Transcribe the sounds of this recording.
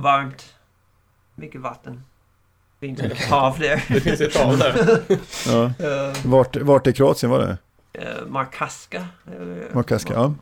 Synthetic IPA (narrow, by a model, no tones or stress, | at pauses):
vaɾmt̪ | mʏkːəvat̪ːən | vɪnt̪ɑvd̪ɛɾɛfɪnsɛt̪ʰːɑːlæɾ | ɑːvaʈvaʈːɛɾkʰɾʊɑːt̪sɪənvaɖɛ̰ | maɾkʰaskaɛləmaɾkʰaska̰ʔaː